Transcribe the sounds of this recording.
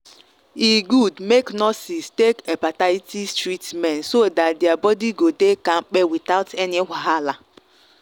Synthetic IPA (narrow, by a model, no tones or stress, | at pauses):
iɡudmeknɔsistekepataitistɾitmɛnsodatdeabɔdiɡodekaŋ͡m̩k͡pewit̪aʊtʰɛniɦʷaɦala